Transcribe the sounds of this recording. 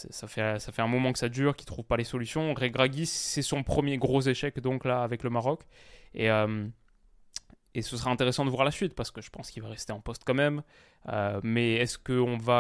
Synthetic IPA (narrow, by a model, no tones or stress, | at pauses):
sɛ̰safɛsafɛɛ̃mɔmɑ̃kə̥sad̪yːʁkʲi̥t̪χuvpalesɔlysjɔ̃ʁeɡʁaɡʲissɛsɔ̃pχəmjeɡʁozeʃɛkd̪ɔ̃klaːvɛkləmaʁɔkeøm | esəsəʁaɛ̃t̪eʁesɑ̃d̪əvwaʁlasɥit̪paʁsə̥kəʒəpɑ̃skʲilvaʁɛst̪eɑ̃pɔst̪kɑ̃mɛm | ømɛɛskəɔ̃va